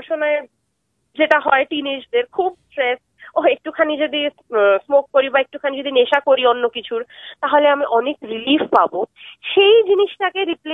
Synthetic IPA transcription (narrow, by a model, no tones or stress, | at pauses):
ʃonae | d͡ʑeʈaɦɔeʈined͡ʑd̪eɾkʰub̚sʈɾes | oɦek̚ʈukʰanid͡ʑod̪i | smokːoɾibaek̚ʈukʰanid͡ʑod̪ineʃakoɾionːokit͡ɕʰuɾt̪aɦoleamiʔɔnekɾilifpaboʃejd͡ʑiniʃʈakeɾiple